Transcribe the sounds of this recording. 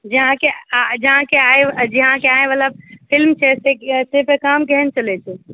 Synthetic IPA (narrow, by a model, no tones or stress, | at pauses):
d͡ʒəɦãked͡ʒəɦãkeajd͡ʒəɦãkeaebalapʰilmt͡ʃʰɛsesepekamkɛɦɛnt͡ʃəlɛt͡ʃʰɛ